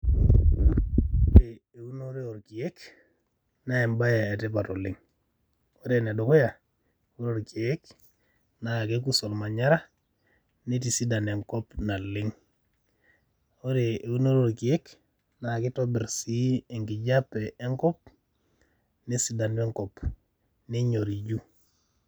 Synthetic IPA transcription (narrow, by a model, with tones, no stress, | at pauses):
ɾe˨ | e˨u˦no˦ɾe˦o˨ɾki˨je˦k | na˦e˨mba˦ja˨e˨te˦pa˨to˨li˦ŋ | o˦ɾe˨ne˨do˨ko˦ja˨ | o˦ɾo˨ɾki˨e˦k | na˨ke˦k̬u˦so˨lma˨ɲa˦ɾa˦ | ne˦ti˨si˦da˨ne˨ŋko˦pna˨lːɪ˦ŋ | o˦ɾe˨u˦no˦ɾo˨ɾki˨e˦k | na˨ki˦to˦bi˨ɾsiː˦˨ŋɡi˨ɟa˦pːe˨e˦ŋkɔ˦p̚ | ni˦si˦da˨nbe˦ŋkɔ˨p | ni˦ɲo˨ɾi˨d͡ʒu˦